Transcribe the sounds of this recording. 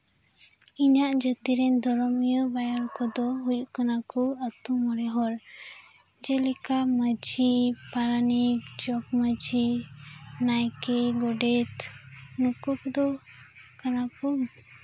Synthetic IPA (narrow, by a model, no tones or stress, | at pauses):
iɲaʔd͡ʒət̪iɾɛnd̪ʱɔɾɔmijɔbajaɾkɔd̪ɔɦujkanakɔət̪umɔɽɛɦɔɾ | d͡ʒɛlikaməd͡ʒipaɾanid͡ʒɔk̚məd͡ʒi | najkɛɡɔɖɛt̪nukɔkɔd̪ɔkanakɔ